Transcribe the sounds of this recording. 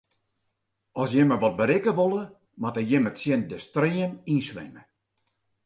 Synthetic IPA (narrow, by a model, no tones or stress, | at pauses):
ɔsjɪməʋɔt̚bəɾɪkəʋolˠə | matəjɪmətsjɪndəstriəninsʋɛ̰mə